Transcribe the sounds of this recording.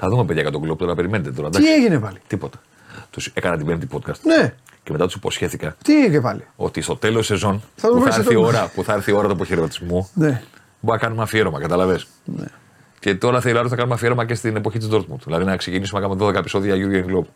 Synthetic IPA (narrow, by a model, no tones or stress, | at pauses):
θɐðumepe̞ðʝɐkɐt̪oɡloput̪o̞ɾɐɐpe̞ɾimenet̪et̪oɾɐd̪ɐieʝinepɐlit̪ipo̞t̪ɐ̥ | t̪use̞kɐnɐt̪ibempt̪i̥po̞t̪kɐst̪ne | ceme̞t̪ɐt̪usi̥po̞sçe̞θikɐt̪iepɐlio̞̰t̪ist̪o̞t̪e̞losːe̞zo̞nθɐt̪uɾio̞ɾɐpuθɐɐɾθio̞ɾɐt̪uepoçeɾimɐt̪izmune | bɐkɐnumɐfieɾomɐkɐt̪ɐlɐves | n̰ | ce̞t̪o̞ɾɐθelɐɾosθɐkɐnumɐfieɾo̞mɐcest̪ine̞po̞çit̪izd̪o̞ɾt̪̚mut̪ðilɐðinɐkse̞cinisumenɐkɐumeðo̞ðekɐpiso̞ðiɐʝuɾɡeŋɡlopu̥